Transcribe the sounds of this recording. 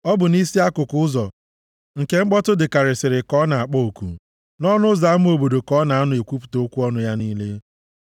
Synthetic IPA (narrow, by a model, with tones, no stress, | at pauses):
ɔ˦bʊ˨ni˦si˦a˦kʊ˨kʊ˦ʊ˦zɔ˨ | ŋ̩˨ke˦ŋ͡m̩˦ɡ͡bɔ˦tʊ˦dɪ˨ka˨ɾɪ˨sɪ˨ɾɪ˨kɔ˦na˨a˨k͡pɔ˦o˨kṵ˨ | nɔ˦nʊ˦za˨a˦m̩˦o˨bo˨do˨kɔ˨˦na˨a˦nʊ˨e˨kʷu˦pu̥˨to˨˦kʷu˦ɔ˦nʊ˦ja˦niː˦le˦